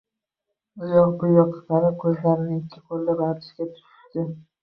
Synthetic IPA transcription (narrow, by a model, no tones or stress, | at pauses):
ʊjɒqbʊjɒqʰːɑ̥qɑɾɪkʲʰɵzlaɾɪnɪɪkʲʰːɪqʰolˠːabaɾd̪ɪʃɡʲat̪ʰʊ̥ʃɪ̥ʃt̪ɪ